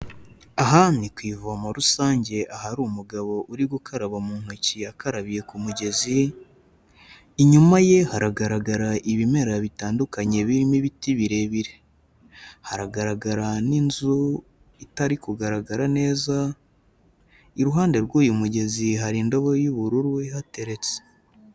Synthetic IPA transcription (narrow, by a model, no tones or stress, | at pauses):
aɦanikwiːvuamoɾusaːɲɟe̞ʔahaɾuːmuɡaβo̞ʔuɾiɡukaɾaβamuːn̥uciakaɾaβije̞kumuɟe̞zi | iɲumaje̞haɾaɡaɾaɡaɾaʔiβime̞ɾaβitaːndukaɲe̞βiɾimiβitiβiɾe̞βiɾe̞̥ | haɾaɡaɾaɡaɾaninzu | itaɾikuɡaɾaɡaɾane̞ːza | iɾuɦaːnde̞ɾɡuːjumuɟe̞ziɦaɾindo̞βojuβuɾuɾwehate̞ɾe̞t͡se̥